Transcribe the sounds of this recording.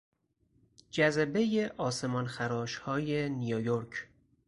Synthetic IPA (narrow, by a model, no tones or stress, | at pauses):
d͡ʒæzæbe̞jeʔɒːse̞mɒnxæɾɒːʃhɒːjenijojoɾkʰ